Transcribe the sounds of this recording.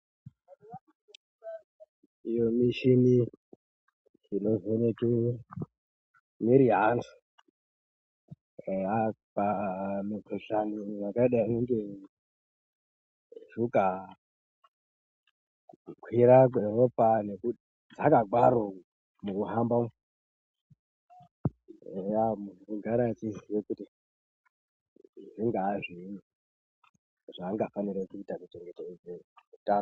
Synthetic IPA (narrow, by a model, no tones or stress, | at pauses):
ijomiʃini | inozeneki | miɾiɦantʰu̥ | apamikʰeɬanimakaiɗaineŋɡe | ʐuka | ukʰwiɾak̬weropaneku | d͡zakaɡʱwaɾo | mukuɦamba | ejamuuɡʱaɾatiziwekuti | ʐiŋɡaʐini | ʐaːŋɡafaniɾekuitamiteŋɡetoemutaːno